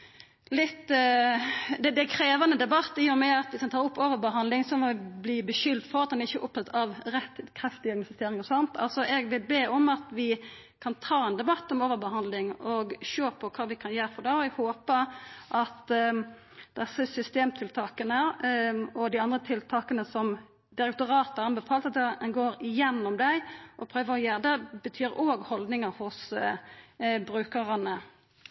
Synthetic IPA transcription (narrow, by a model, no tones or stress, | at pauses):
lɪt̪ː | d̪ɛd̪ɛkʰɾeːʋənəd̪ɛbɑt̪ːɪjʊmɛɑt̪ʋɪskɑnt̪ɑːɾʊpːoːʋəɾbəɦɑnd̪lɪŋsɔʋɪbliːbəʃʏld̪fɔɾɑt̪̚d̪ɛnæɾɪçːəʔʊp̚t̪ʰɑt̪ːɑʋɾɛt̪ːkʰɾɛft̪ɪɔɾɡnɑfɪst̪eːɾɪŋɔsɔnt̪ɑ̰lsɔʔɛɡʋɪlbeːʔɔmɑt̪ʋɪ | kʰɑnt̪ʰɑːɛnd̪ɛbɑt̪ːɔmoːʋəɾbəhɑnd̪lɪŋɔɡʃoːpʰɔkʰɑːʋɪkʰɑnjæːɾfɔd̪ɑːɔɛɡhoːpəɾʔɑt̪ | d̪̥ɛsəsʏst̪eːmt̪ʰɪlt̪ʰɑːkənə | ɔd̪ɪɑnd̪ʁət̪ʰɪlt̪ʰɑːkənəsɔm | d̪ɪɾɛkt̪ʊɾɑːt̪ɑɾɑnbəfɑːlt̪ɑt̪ɛɛnɡoːɾɪjɛnːɔmd̪æɪʔɔpʰɾøːʋəɾɔjeːɾd̪ɛbət̪ʰyːɾoːɡhɔld̪nɪŋəɾhʊs | bɾʉːkəʁənə